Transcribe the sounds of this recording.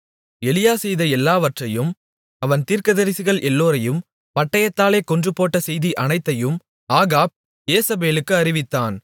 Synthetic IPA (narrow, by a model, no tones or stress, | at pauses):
ɛlɪjaːsɛjðɐɛlːaːʋɐʈrɐjɯm | ɐʋɐnt̪iːɾkɐðɐɾɪsɪɣɐɭʔɛlːoːɾɐjɯm | pɐʈːɐjɐt̪ːaːleːkɔndrɯpːoːʈːɐsɛjðiʔɐnɐɪt̪ːɐjɯm | aːɣaːb̚ | eːsɐbeːlɯkːɯɐɾɪʋɪt̪ːaːn